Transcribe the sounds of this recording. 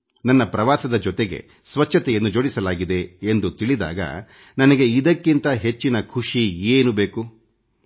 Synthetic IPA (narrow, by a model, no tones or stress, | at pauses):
nɐnːɐpɾɐʋaːsɐd̪ɐd͡ʒɔt̪eɡḛ | sʋɐt͡ʃʰːɐt̪ɛjɐnːud͡ʒoːɽisɐlaːɡid̪e̞ːnd̪ut̪iɭid̪a̰ːɡɐ̰ | nɐnɐɡe̞id̪ɐkːint̪ɐɦe̞t͡ʃːinɐkʰuʂieːnube̞ːku